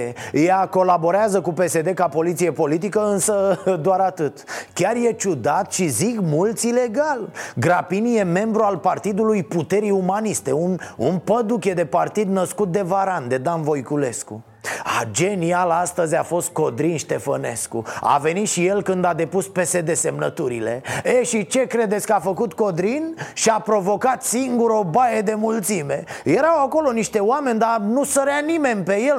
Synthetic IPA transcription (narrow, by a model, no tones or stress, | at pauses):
jako̞labo̞ɾeazəkupe̞se̞d̪e̞kapo̞lit̪sije̞po̞lit̪̬ikəɨnsəd̪oaɾat̪ɨt̪kʲarje̞t͡ʃud̪at̪ʃizikmult̪sʲile̞ɡalɡɾapinije̞me̞mbɾualpart̪id̪ulujput̪e̞ɾiumanist̪e̞unṵnpəd̪ukʲe̞d̪e̞part̪id̪nəskut̪̚d̪e̞vaɾand̪e̞d̪anvo̞jkule̞sku | a̰d͡ʒe̞nialast̪əzʲafo̞st̪̚ko̞d̪ɾinʃt̪e̞fəne̞̰skṵa̰ve̞nit̪ʃije̞lkɨnd̪ad̪e̞puspesed̪e̞se̞mnət̪uɾḭle̞̰eʃit͡ʃe̞kɾe̞d̪et̪sʲkəafəkut̪ko̞d̪ɾinʃiapɾo̞vo̞kat̪siŋɡuɾobajed̪e̞mult̪sime̞jeɾawako̞lo̞niʃt̪e̞oame̞nʲd̪anusəɾeanime̞nʲpe̞je̞l